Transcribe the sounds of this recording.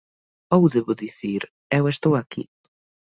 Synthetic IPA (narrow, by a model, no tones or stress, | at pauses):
owðeβʊðiθiɾ | ɛwest̪owakḭ